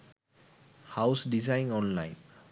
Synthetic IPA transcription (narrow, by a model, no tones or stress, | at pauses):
hawsɖizajnɔnlajn